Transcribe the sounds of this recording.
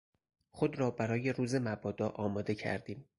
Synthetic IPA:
xo̞d̪ɾɒːbæɾɒːje̞ɾuːze̞mæbɒːd̪ɒːʔɒːmɒːd̪e̞cʰæ̰ɾd̪iːm

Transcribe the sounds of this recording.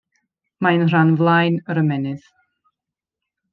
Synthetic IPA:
maənr̥anvlˠajnəɾəmɛnɨð

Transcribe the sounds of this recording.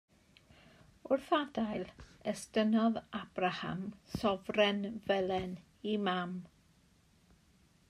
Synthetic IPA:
ʊrθadajlˠɛstənɔðab̥raha̰msɔvrɛnvɛlɛn | imam

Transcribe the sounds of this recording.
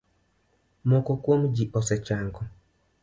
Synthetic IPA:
mɔkɔkwomd͡ʒiʔɔsɛt͡ʃaŋɡɔ

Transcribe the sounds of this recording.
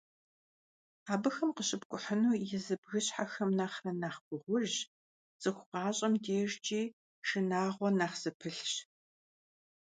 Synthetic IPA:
aːbɨxɐmqəɕʼɪbkʷʼʊħənuːjɛzɨbɣɨɕħaxɐmnaːχrɐnaːχɡʷʊʁʷʊʒ | z̥ɨxʷʊqɑːɕʼɐmdeːʒt͡ʃʼiː | ʃɨnaːʁʷɔnaːχz̥ɨpʰɨɬɕ

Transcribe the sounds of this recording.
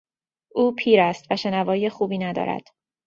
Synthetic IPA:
ʔuːpʰiːɾæst̪væʃe̞nævɒːjijexuːbiːnæd̪ɒ̰ːɾæ̰d̪̥

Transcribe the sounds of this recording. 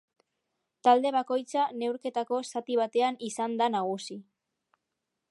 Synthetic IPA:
t̪ald̪e̞βako̞jt͡sane̞wɾke̞t̪ako̞sat̪iβ̞at̪e̞anisand̪anaɣ̞usi

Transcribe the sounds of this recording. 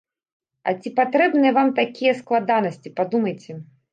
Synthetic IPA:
ɐ̰t͡sʲipat̪ɾɛbnɨjɛvamt̪akʲijɛsklˠad̪anɐsʲt͡sʲipad̪umɐjt͡sʲɛ

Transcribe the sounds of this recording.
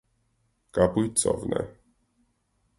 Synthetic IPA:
kapujt̪sɔ̰vnɛ̰

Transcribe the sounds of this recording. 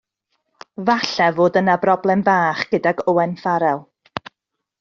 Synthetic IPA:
vaɬɛvoːdənabrɔblˠɛmbaːχɡ̥ədaɡɔwɛnfaɾɛlˠ

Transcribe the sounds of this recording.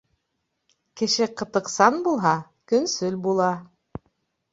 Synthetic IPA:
kɘ̆ʃɘqɤ̆t̪ɤ̆qsɑnbulˠɦɑ | kɵ̆nsɵlbulˠɑ

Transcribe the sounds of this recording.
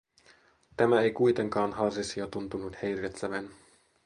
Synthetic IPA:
t̪æmæejkujt̪e̞ŋkɑːnɦɑrsisiot̪unt̪unut̪hejret̪sæʋæn

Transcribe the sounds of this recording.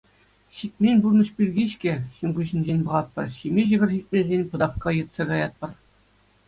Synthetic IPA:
ɕit̪̚ʲmʲenʲburnɤ̆ɕpʲirʲɡʲiɕkʲɘ̆ɕɤ̆nɡuɕɘ̆nʲd͡ʑenʲbɤ̆ʁɑt̪̚pɤ̆rɕimʲeʑɤ̆ɡʲɘ̆rʲɕit̪̚ʲmʲezʲenʲpɤ̆d̪ɑfkɑjɤ̆t̪sɑɡɑjɑt̪̚pɤ̆r

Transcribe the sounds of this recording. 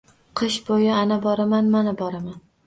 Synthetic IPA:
qʰɨʃbojɪanabɒɾamanmanabɒɾaman

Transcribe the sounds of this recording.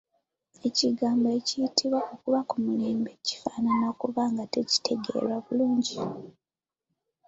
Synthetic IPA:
e̞ciɡaːmboecijitʰiβwaokuβakumuleːmbeci̥faːnanakuβaŋɡate̞ci̥tʰe̞ɡe̞̰ɾwaβuluːɲɟi

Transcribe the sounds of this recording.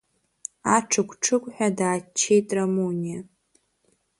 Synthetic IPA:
aʈ͡ʂʰɨkʷʰʼʈ͡ʂʰɨkʷʼħʷᶣadaːt͡ʃʰːe̞jtʼramonija

